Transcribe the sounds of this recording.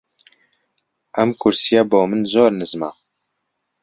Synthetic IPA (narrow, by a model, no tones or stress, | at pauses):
ʔɛmkʰʊɾsijaboːmɨnzoːɾnɨzma̰